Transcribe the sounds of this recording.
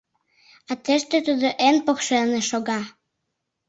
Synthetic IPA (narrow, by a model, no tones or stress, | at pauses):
at̪eʃt̪øt̪ud̪oʔenpoχʃelˠneʃoɡɑ